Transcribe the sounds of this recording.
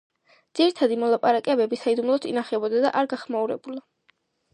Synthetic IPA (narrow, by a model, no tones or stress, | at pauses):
d̪z̥iɾit̪ʰad̪imɔlˠapʼaɾakʼɛbɛbisaid̪umlˠɔt̪ʰinaχɛbɔd̪ad̪a̰ʔaɾɡaχmauɾɛ̰bulˠa